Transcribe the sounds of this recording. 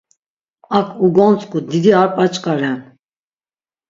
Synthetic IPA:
akʰuɡɔnt͡sʼkʼud̪id̪iaɾpʼat͡ʃʼkʼaɾɛn

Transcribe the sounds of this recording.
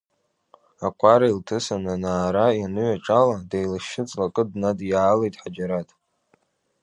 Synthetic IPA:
akʷʼaɾailtʰɨsananaːɾaanɨɥaʈ͡ʂʼaladejlaʃɪt͡sʼlakʼɨdnadjaːlejtʼħad͡ʒaɾatʼ

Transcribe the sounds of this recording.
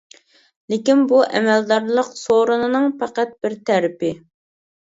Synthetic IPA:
lɪkʲinbuʔɛmɛld̪ɑɾlˠəqsoɾunɨnɨŋpæqæt̪̚bɪɾt̪ʰæɾɪpɪ

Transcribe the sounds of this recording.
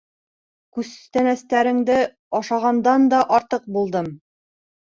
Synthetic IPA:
kʉzt̪ænæst̪æɾɘ̆ŋd̪ɘ | ɑʃɑʁɑnd̪ɑnd̪ɒʔɒɾt̪ɤq̚bulˠd̪ɤm

